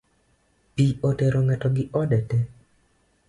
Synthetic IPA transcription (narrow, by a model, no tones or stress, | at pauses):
piotɛɾoŋɛtɔɡɪʔɔdɛtɛ